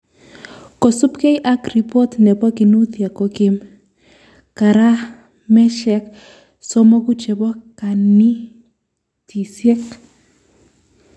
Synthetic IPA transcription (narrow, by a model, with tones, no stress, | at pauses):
ko˨sʊ˦pke˦jʔa˦kɾi˨pɔ˦tnɛ˨bɔ˦ki˨nu˦t̪ja˨ko˨kɪ˦m | ka˨ɾa˦ | mɛ˦ʃɛ˦k | so˦mɔ˦ku˦t͡ʃe˨bɔ˦ka˨ni˦ | tʰi˨sjɛ˦k